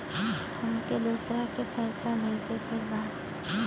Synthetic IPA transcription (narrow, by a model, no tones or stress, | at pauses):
t̪ʊmked̪uːsɾakepɛːsabʱeːd͡ʒekʰeɾbaːd̪